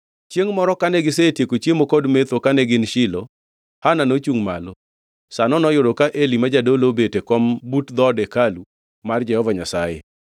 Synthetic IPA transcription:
t͡ʃjeŋmɔɾɔkanɛɡɪs̬etjekot͡ʃemokɔdmet̪okaneɡɪnʃɪlo | hananot͡ʃuŋma̰lo | sanɔnɔjʊɾokaʔelimad͡ʒadolobetekɔmbutd̪ɔdɛkalu | mard͡ʒɛhɔvaɲasajḛ

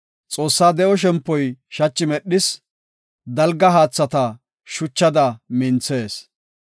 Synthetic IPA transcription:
t͡sʼo̞ːsːaːd̪ɛʔɔʃ̬ɛmpːɔjʃɐt͡ʃːɪmɛɗɪs | d̪ɐlɡɐɦaːt͡sːɐt̪ɐ | ʃʊt͡ʃːɐd̪ɐmɪnt͡se̞ːs

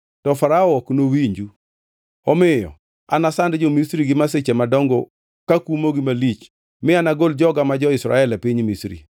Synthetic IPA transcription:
tɔfaɾaɔɔknowiɲd͡ʒu | ɔmɪjɔ̰ | a̰nasandd͡ʒɔmisɾiɡɪmasɪt͡ʃɛmadɔŋɡɔ | kakumoɡimalit͡ʃ | mɪanaɡold͡ʒɔɡamad͡ʒɔɪsɾa̰ɛlɛpiɲmisɾḭ

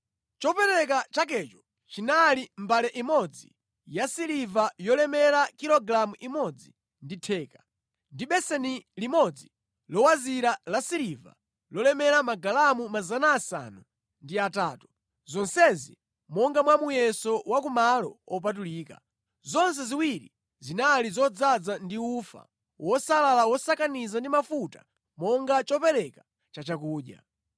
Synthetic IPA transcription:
t͡ʃɔpɛɾɛk̬at͡ʃak̬ɛt͡ʃɔ | t͡ʃinalim̩balɛʔimɔd͡zi | jasiɾivajɔlɛmɛɾakiɾɔɡɾamuʔimɔd͡zi | nditʰɛːka | ndiɓɛsɛnilimɔd͡zi | lɔwaziɾalasiɾiva̰ | lɔlɛmɛɾamaɡalamumazanaːsa̰nu | ndiataːtu̥ | zɔnsɛzḭ | mɔŋɡamwamujɛsɔwakumalɔ̰ɔp̬atuliːka̰ | zɔns̬ɛziwiɾi | zinalizɔd͡zad͡zandiufa̰ | wɔsalalawɔsakanizandimafutḁ̰ | mɔŋɡat͡ʃɔpɛɾɛka | t͡ʃat͡ʃakuːɗja̰

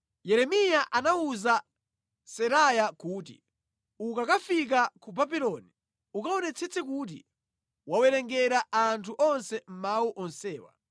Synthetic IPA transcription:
jɛɾɛmijaʔanauza | sɛɾajakuːt̬ḭ | ukakafik̬akubabilɔni | ukaɔnɛt͡sʰɛt͡sʰɛkut̬ḭ | wawɛɾɛŋɡɛɾaantʰuʔɔnsɛm̩mawuʔɔnsɛːwa̰

